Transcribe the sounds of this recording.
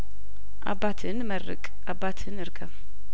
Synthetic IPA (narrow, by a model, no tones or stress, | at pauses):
ʔa̰bːat̪ʰɨnməɾɨ̰kʼʔabːat̪ʰɨnɨɾkʰəm